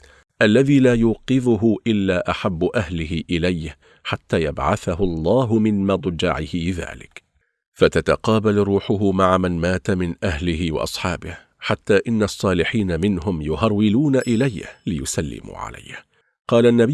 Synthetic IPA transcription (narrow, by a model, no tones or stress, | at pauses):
ʔalːaðiːlaːjuːqɨðʊɦʊʔɪlːaːʔaħabːʊʔahlɪhɪʔɪlajh | ħat̪ːaːjabʕa̰θahʊɑlˤːɑːɦʊmɪnmɑd̪ˤd͡ʒa̰ʕɪhɪða̰ːlɪ̰k | fat̪at̪aqɑːbalɾuːħʊɦʊmaʕamanmaːt̪amɪnʔahlɪhɪwɑ̰ʔɑsˤħɑːbɪh | ħat̪ːaːʔɪnːaʔɑsˤːɑːlɪħiːnamɪnɦʊmjʊhɑɾˤwɪluːnaʔɪlajhlɪjʊsalːɪ̰mṵːʕa̰la̰j | qɑːlaʔnːab